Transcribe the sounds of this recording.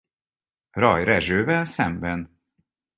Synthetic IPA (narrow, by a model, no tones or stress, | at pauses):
ɾɑjɾɛʒøːvɛnsɛmbɛn